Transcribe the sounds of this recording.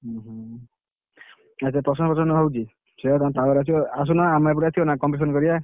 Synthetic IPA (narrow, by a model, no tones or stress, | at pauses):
ɦ | asepɾɔsɔŋpɔsʰɔnɔɦɔwt͡ʃi | set̪ãt̪aɔɾas̬ioas̬unaːmaep̬uɾasʰionakɔmpɾes̬ɔnkɔɾia